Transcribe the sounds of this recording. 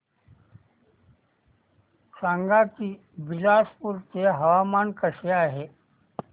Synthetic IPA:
sãːŋɡaːki | bɪlaːspʊɾkeɦɐʋaːmaːnkəʃjaɦɛː

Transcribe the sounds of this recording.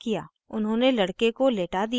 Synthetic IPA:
kija̰ː | ʊnɦõːnelɐɽkekoleːʈad̪i

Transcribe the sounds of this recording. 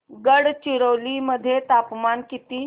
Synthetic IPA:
ɡəɽt͡ɕiɾəwliməd̪ʱːjet̪apmankit̪iː

